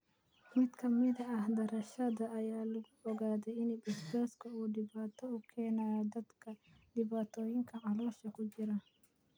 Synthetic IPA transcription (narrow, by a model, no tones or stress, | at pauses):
mɪd̪kɐmɪd̪ɛɐhd̪ɐɾɐʃɐd̪ɐʔɐjaːlʊɡɔɡaːd̪ɛɪnɪbɪɾbeːskɔʔʊd̪ɪbaːt̪ːɔʊkʰːeːnaːjd̪ɐd̪kɐd̪̥ɪbaːt̪ːojɪŋkɐʔɐloːʃɐkʊd͡ʒɪɾɐ